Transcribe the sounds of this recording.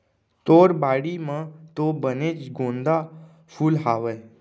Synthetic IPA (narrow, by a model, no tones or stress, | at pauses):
t̪oːɾbaːɽimãt̪obənet͡ʃɡõːnd̪a | pʰulɦaːʋə